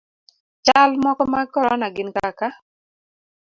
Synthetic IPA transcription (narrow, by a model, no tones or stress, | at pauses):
t͡ʃalmɔkɔmakɔɾɔnaɡɪnkaka